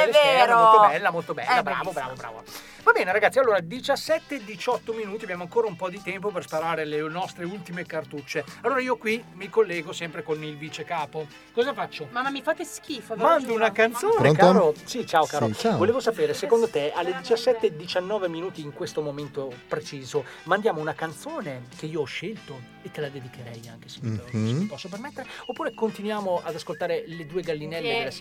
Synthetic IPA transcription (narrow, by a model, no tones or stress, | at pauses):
ɛveɾmoot̪ɛlːamolt̪obɛ̰lːabɾa̰ːvobɾa̰ːvobɾa̰ːvo̰ | vabɛːneɾaɡat̪sialːoːɾad̪it͡ʃasːɛt̪ːeːd̪ːit͡ʃɔt̪ːominuːt̪iabjamoaŋkoːɾaumpɔd̪it̪ɛmpoperspaɾaːɾelenɔst̪ɾeult̪imekart̪ut͡ʃːealːoːɾaiːokwimikolːɛːɡosɛmpɾekonilvit͡ʃekaːpo | kɔːzafat͡ʃːomamːamːifaːt̪esk̟iːfamand̪ounakant̪soːnekːɾosit͡ʃaːokaːɾoavoleːvosapeːɾesekond̪ot̪ealːed̪it͡ʃasːɛt̪ːed̪it͡ʃanːɔːveminuːt̪iːŋkwest̪omoment̪opɾet͡ʃiːzomand̪jaːmounakant̪soːnekeiːoɔʃːelt̪o | et̪ːelad̪ed̪ikeɾɛja̰ŋk̟e̥seimipɔsːop̬ermet̪ːeɾeopːuːɾekont̪inwjaːmoad̪askolt̪aːɾeled̪uːeɡalːinɛlːelas